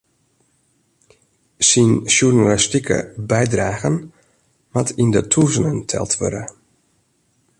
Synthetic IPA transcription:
sinsjurnalistikʰə̰bɛjdraːɣən | matʰindətʰuzənəntʰɛ̰lˠtʋø̰ɾə

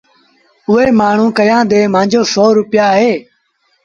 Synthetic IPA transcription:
ʊɦeːmaːɳ̤ũːkəjãːd̪eːmãːd͡ʒoːsoːɾʊpjaːɦeː

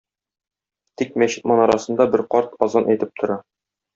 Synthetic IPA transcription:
t̪ik̚mæɕɘ̥t̪̚mɒnɒɾɑsɤ̆nd̪ɑbɘɾqɒɾt̪ɒzɑnʔæjt̪ɘp̚t̪ʰŏɾɑ

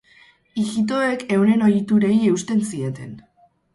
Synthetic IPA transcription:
iɣit̪̬o̞eke̞wne̞no̞jt̪uɾe̞ie̞ust̪e̞nsie̞t̪e̞n

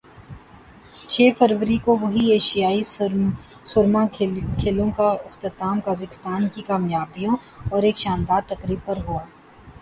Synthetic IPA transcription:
t͡ʃʰeːfɐɾʋəɾikoʋɐɦieːʃijaːi | sʊɾmakʰeːlõkaɪxt̪ət̪aːmkaːzəkɪst̪aːnkikaːmjaːbijõɔːɾeːkʃaːnd̪aːɾt̪ɐkɾiːb̚pɐɾɦuaː

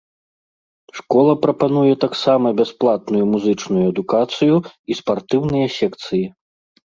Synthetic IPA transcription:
ʂkɔlˠɐpɾɐpanujɛt̪aksamɐbʲasplˠat̪̚nujumuzɨt͡ʂnujuɐd̪ukat̪sɨjuispart̪ɨwnɨjɐsʲɛkt̪sɨji

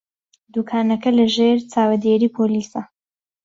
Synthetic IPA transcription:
d̪ukʰaːnɐkɐlɐʒeːɾt͡saːwɐd̪eɾiːpʰoːliːsɐ

